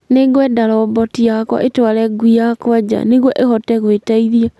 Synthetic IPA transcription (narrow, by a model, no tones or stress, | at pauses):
neɣwɛdaɾɔbɔtijakɔ̰ʔetwaɾɛɡwijakwad͡ʑa̰neɣwɔʔehɔtɛɣwetaiðia